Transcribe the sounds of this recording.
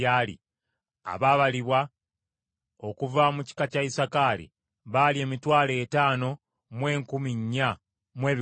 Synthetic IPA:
aːlḭ | a̰βaβaliβwa | o̞kuvamuci̥kacaisakalḭ | βaːlie̞ːmitwaːle̞ːtaːno̞ | mwe̞ːŋkumiɲːa | mwe̞ːβ

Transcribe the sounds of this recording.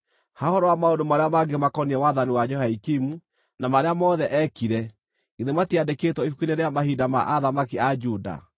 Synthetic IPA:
hahɔɾɔwamaondomaɾeamaɡemakɔniɾɛwaðaniwad͡ʒɔhaikimu | namaɾeamɔðɛʔɛkiɾɛ | ɡeðematiadeketwɔifukineɾeamahidama̰ʔaðamakiad͡ʒuda̰

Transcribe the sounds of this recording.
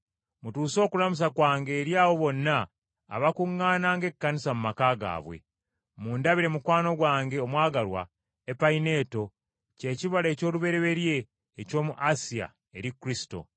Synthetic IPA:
mutuːso̞ːkulamus̬akwaːŋɡe̞ːɾjaːwo̞βo̞nːa̰ː | βakuŋːaːnaːŋɡe̞kːanisamumakaːɡa̰ːβwḛ | muːndaβiɾe̞mukwaːno̞ɡwaːŋɡe̞omwaːɡalwa̰ | epaine̞ːto̞ | ce̞ːciβale̞ːco̞ːluβe̞ɾeβe̞ɾje̞ː | co̞ːmuʔasia̰ | eɾikːuɾisi̥to̞̰

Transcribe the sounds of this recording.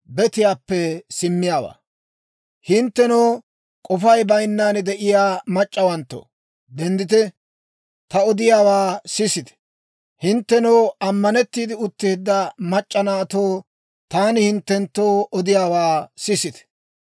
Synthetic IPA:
bɛt̪ɪjaːpːɛsɪmːɪjaːwa̰ː | hɪnt̪ːɛnoː | kʼɔfɐjbɐjnːaːnd̪ɛʔɪjaːmɐt͡ʃʼːɐwɐnt̪ːo̰ː | d̪ɛnd̪ɪt̪ɛ | t̪ɐɔd̪ɪjaːwaːsɪsɪt̪ɛ̥ | hɪnt̪ːɛnɔːɐmːɐnɛt̪ːiːd̪ɪʊt̪ːɪːd̪ːɐmɐt͡ʃʼːɐnaːt̪oː | t̪aːnɪhɪnt̪ːɛnt̪ːoːɔd̪ɪjaːwaːsɪsɪt̪ɛ̥

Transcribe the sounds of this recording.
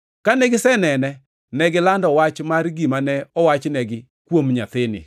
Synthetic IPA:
kanɛɡɪsɛnɛnɛ | nɛɡɪlandɔwat͡ʃmarɡimanɛɔwat͡ʃnɛɡɪ | kwomɲat̪ɪnɪ̰

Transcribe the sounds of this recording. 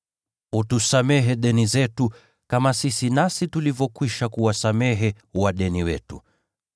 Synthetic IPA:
utusamɛɦɛɗɛnizɛtu | kamasisinasitulivɔkwiʃakuwasamɛɦɛ | waɗɛniwɛ̰tṵ

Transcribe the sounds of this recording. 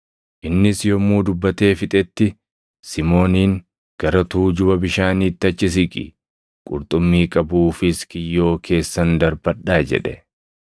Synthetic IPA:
ʔɪnːɪsjɔmːuːd̪ʊbːɐt̪e̞ːfɪt̪ʼɛt̪ːɪ | sɪmo̞ːniːŋ | ɡ̥ɐɾɐt̪uːd͡ʒʊbɐbɪʃaːniːt̪ːɐt͡ʃːɪs̬ɪkʼɪ̰ | kʼʊ̰ɾt̪ʼʊmːiːkʼɐbuːfɪskɪjːo̞ːkʰe̞ːsːɐnd̪ɐɾbɐɗaːd͡ʒɛ̰ᶑɛ

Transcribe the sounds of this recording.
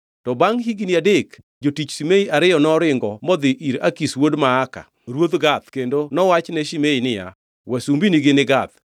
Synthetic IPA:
tɔbaŋɦiɡiniadek | d͡ʒotit͡ʃsimeiʔaɾɪjɔnɔɾɪŋɡɔmɔd̪ɪʔiɾakiswodmaːka̰ | ɾwod̪ɡat̪kendonɔwat͡ʃnɛʃimeinɪja̰ | wɛsumbiniɡɪnɪɡat̪

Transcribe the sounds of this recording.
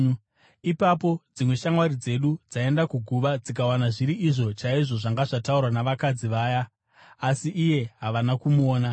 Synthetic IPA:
ipapo̞d͡zimwe̞ʃaŋwaɾid͡ze̞ɗud͡zae̞ndakuɡʱuʋad͡zikawanaʐiɾiʔiʐo̞t͡ʃaiʐo̞ʐaŋɡaʐataurwanaʋakad͡ziʋaːjaː | siʔːje̞ɦaʋanakumuoːna

